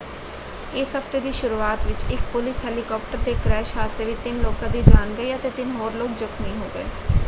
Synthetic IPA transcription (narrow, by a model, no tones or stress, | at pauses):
ɪsɦəpʰt̪eːd̪iːʃʊɾuːaːt̪ʋɪt͡ʃɪkpʊlɪsɦɛːlikɔːp̚ʈəɾd̪eːkɾɛːʃaːlseːʋiːt̪ɪnloːkãd̪iːd͡ʒaːnɡəiːət̪eːt̪ɪnɦoːɾloːɡ̚d͡ʒʊkʰmĩːɦoːɡəḛː